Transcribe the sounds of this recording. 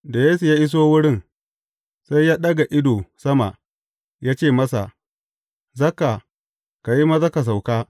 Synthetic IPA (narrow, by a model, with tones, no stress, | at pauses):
da˨jeː˦su˨jaː˦ʔɪ˦s̬oː˦wʊ˦ɽɪ˦˨n | sa˦jːaː˦ɗɐ˦ɡa˨ʔɪ˦doː˨sɐ˦ma̰˨ | jaː˦t͡ʃeː˦˨mɐ˦sa̰˨ | zɐ˦ka˨ | ka˨ji˦ma˦zɐ˦ka˨s̬a˨wkaː˦